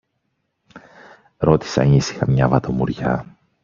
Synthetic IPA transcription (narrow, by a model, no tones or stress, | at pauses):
ɾo̞t̪i̥sɐ̰nisi̥xɐmɲɐvɐt̪o̞muɾʝɐ̰